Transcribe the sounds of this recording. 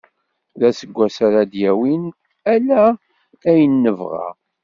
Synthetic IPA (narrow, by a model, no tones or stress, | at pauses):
ðæsəɡʷːæsaɾad̪jæwin | ælæ | æjənːəvʁa̰